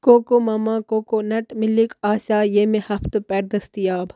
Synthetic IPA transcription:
koːkomɐmãkoːkonɐʈmɪlikaːsaːjeːmẽhɐft̪opɛːɾd̪ɐst̪ijaːb

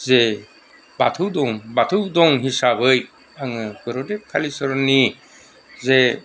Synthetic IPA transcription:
ze | ba̰tʰɯwdɔŋbatʰɯwdɔŋɦisabɯj | aŋɯɡɯɾɔdekʰalisɯɾɔni | ze

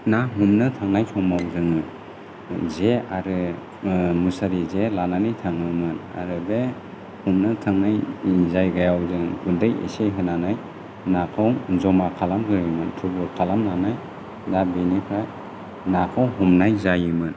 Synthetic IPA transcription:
naɦumnɯtʰaŋnajsɔmawzɯŋɯ | zeaɾɯ | musaɾizelananijtʰaŋɯmɯna̰ɾɯbe | humnɯtʰaŋnajizajɡajawzɯŋkʰundɯjḛsejɦɯnanaj | nakʰawzɔmakʰalamɡɯjɯmɯntʰubɔlkʰalamnanaj | dabenikʰa | nakʰawɦumnajzajɯmɯn

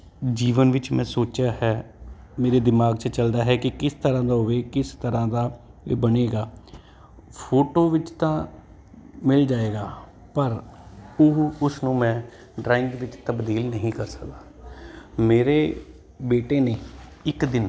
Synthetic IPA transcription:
d͡ʒiːʋənʋɪt͡ʃmɛ̃ːsoːt͡ʃaːhɛː | meːɾeːd̪ɪmaːɡt͡ʃət͡ʃəld̪aːɦɛːkɪkɪst̪əɾãːd̪aːɦʊʋeːkɪst̪əɾãːd̪aːbəneːɡaː | pʰoːʈoːʋɪt͡ʃt̪ãː | mɪld͡ʒaːeːɡaː | pəɾʊɦʊsnũːmɛ̃ː | ɖɾaːɪŋɡʋɪt͡ʃt̪əbd̪iːlnəɦĩːkəɾsə̥kd̪aː | meːɾeː | beːʈeːneːɪkd̪ɪn

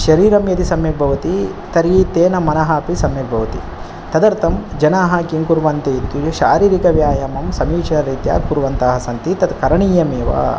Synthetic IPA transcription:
ʃɐɾiːɾɐmjɐt̪isɐmjɐbʱɐʋɐt̪i | t̪ɐɾit̪eːnɐmɐnɐɦɐːpisɐmjɐbʱɐʋɐt̪ḭ | t̪ɐd̪ɐɾt̪ɐmd͡ʒɐnaːɦɐkiŋkuɾʋɐnt̪it̪uʃaːɾiːɾikɐʋjaːjɐmɐmsɐmiːt͡ʃɐnɐɾɐːt̪ja̰ːkuɾʋɐnt̪aːɦɐsɐnt̪it̪ɐt̪kɐɾɐɳiːjɐmeːʋa̰ː

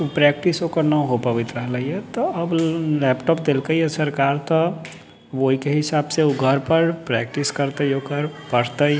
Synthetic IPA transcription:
pɾɛk̚ʈisɦokəɾnaɦopəʋɪt̪ɾəɦləiɛt̪ɔɐblɛːpʈɔːp̚d̪elkəiɛsɐɾkaːɾt̪ɔ | ʋoɦikeɦɪsaːbseuɡʱəɾpəɾpɾɛ̰ːk̚ʈiskəɾt̪ejoːkəɾpəɽt̪ə

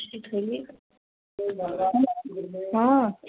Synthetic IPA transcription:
əsit̪χɛlivʁ | a

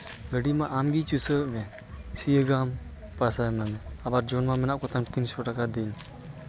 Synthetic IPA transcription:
ɡəɖimaʔaːmɡit͡ʃusəmɛ̃ | sijəɡaːm | pasamamɛabaɾd͡ʒonmamɛnaʔkɔt̪ʰanpinsɔʈakad̪iɲ

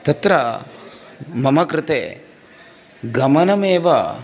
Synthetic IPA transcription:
t̪ɐt̪ɾɐ | mɐmɐkɾɪt̪ḛː | ɡɐmɐnɐmeːʋɐ

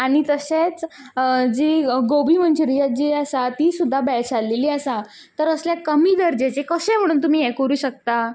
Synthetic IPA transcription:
aɽ̃it̪əset͡s | d͡ʑiɡobiːm̤əɳt͡ɕeɾijat̪̚d͡ʑiəsat̪iːsud̪ʱːabɛt͡ɕalːeliːəsa | t̪əɾəsljakəmiːd̪əɾd͡ʑet͡sekəsẽm̤əɽ̃uːnt̪̬um̤iːjɛkəɾuːɕək̚t̪a

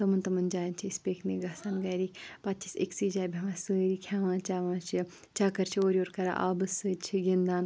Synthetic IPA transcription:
t̪ɐmɐnt̪ɐmɐnd͡ʒaːnt͡ʃʰiispeːkʰneɡɐsanɡɐɾiːkʲpɐt͡ʃʰisḭksiːd͡ʒaːbʱʲɐʋãːsəːɾikʲʰaːʋãːnt͡ʃaːʋãːt͡ʃʰi | t͡ʃaːkɐɾt͡ʃʰioːɾʲoːɾkɐɾa̰ʔaːbɨsɨt͡ʃʰiɡind̪aːn

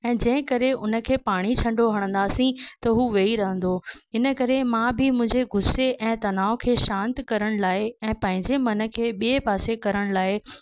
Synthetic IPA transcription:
ɛ̃ːd͡ʑɐ̃ɦɪ̃kɐɾeʊnə̆kʰeːpaːɽ̃it͡ɕʰɐ̃ɳɖʱoɦɐɽ̃ə̃nd̪aːsĩt̪ɐɦuːʋeiɾɐɦə̃nd̪oɪnə̆kɐɾemãbɪmʊ̃ɪ̃ɲd͡ʑeɡʊseʔɛ̃ːt̪ɐnaːokʰeːʃãːnt̪kɐɾəɽ̃laːɪɛ̃ːpɐ̃ɦɪ̃ɲd͡ʑemɐnə̆kʰeːɓiepaːsekɐɾəɽ̃laːɪ

